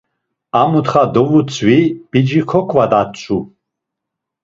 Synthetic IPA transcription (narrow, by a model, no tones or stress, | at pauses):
amut̪χad̪ɔvut͡sʰwib̥id͡ʒikʰɔkʷʰʼvad̪at͡ʃʼʰu